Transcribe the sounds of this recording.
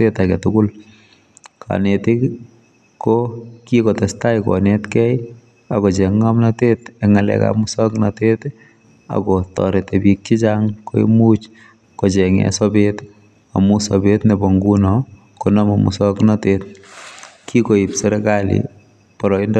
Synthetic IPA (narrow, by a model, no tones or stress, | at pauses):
tetakɛtʊkʊl | kʰa̰netɪ | kokikɔtɛstajkɔ̰nɛtkɛj | akɔt͡ʃɛŋːamnatetɛŋalɛ̰ka̰mʊsɔknatet | a̰kɔtɔ̰ɾetɛbik̚t͡ʃit͡ʃaŋkoḭmut͡ʃ | kɔt͡ʃɛŋɛ̰sɔbet | a̰musɔbetnɛbɔŋɡunɔ | kɔnamɔmṵsɔknatet | kʰikoipsɛɾɛkalḭ | pɔɾɔind